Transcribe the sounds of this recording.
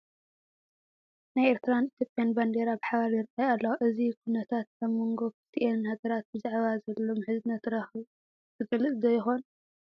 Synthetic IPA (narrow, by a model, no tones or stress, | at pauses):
najeɾt̪ʰɨɾanit̪ʰjo̞pʼjanband̪eɾabħaβaɾjɪɾajalːɐwʔɨzikʰunɐt̪ʰat̪̚kaβmːoŋɡo̞kɨ̥siʔenhaɡɐɾat̪̚bɨzaʕβazɐlːo̞mħɨzɨnɐt̪ɾɐxɨ | zɨɡɐlɨsʼzɐjɪxo̞n